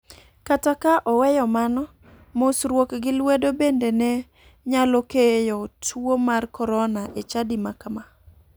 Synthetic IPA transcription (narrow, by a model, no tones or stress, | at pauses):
katakaʔɔwɛjɔmanɔ | mosɾwokɡɪlwedobendenɛ | ɲalokejɔtʰuomarkɔɾɔnaʔet͡ʃadimakma